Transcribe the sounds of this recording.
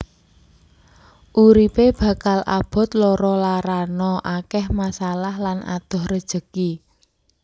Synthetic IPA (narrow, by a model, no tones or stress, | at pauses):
ʔuɾipeb̥ä̤kalʔa̰b̥ɔ̤t̪̚lɔɾɔlaɾanɔʔakɛhmasalahlanʔa̰d̪̥ɔ̤hrəd̥ʒ̥ə̤ki